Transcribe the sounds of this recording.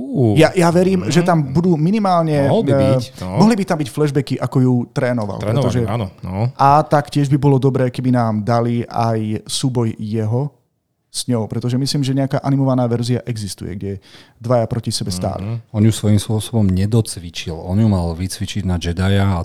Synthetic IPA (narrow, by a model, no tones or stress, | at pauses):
ujajaʋɛɾiːmʒɛt̪ambud̪uːminimaːlɲɛ | mɔɦlibit̪ambicflɛʒbɛkiʔakɔjut̪ɾɛːnɔʋa̰lɾɾɾɛt̪ɔɔʒɛ | ʔat̪akcɪɛʒbibɔlɔd̪ɔbɾɛːkɛbinaːmd̪alia̰jsuːbɔjjɛɦɔ | z̥ɲɔʊpɾɛt̪ɔʒɛmisliːmʒɛɲɛakaːʔanimɔʋanaːʋɛɾzia̰ʔɛɡzist̪ṵjɛ̰ɡɟɛd̪ʋajapɾɔcisɛbɛst̪a̰ːlḭɔnjusʋɔjimspʊɔsɔbɔmɲɛd̪ɔt͡sʋit͡ʃilɔnjumalʋit͡sʋit͡ʃiɟnad͡ʒɛd̪ajaː